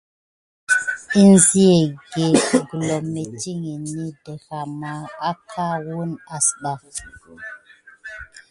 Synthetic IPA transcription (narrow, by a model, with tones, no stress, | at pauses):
i˦n˦zi˦e˨ɡe˨ɡu˨lo˨me˨ti˦ŋi˨ni˦də˨ɣa˨ma˨a˦kʰa˦wu˦na˨sɗa˨